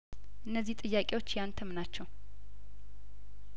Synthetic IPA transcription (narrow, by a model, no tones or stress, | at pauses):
ʔɨnːəzːiht̪ʼɨjːakʼe̞wo̞t͡ʃːjant̪ʰəmnat͡ʃːɛw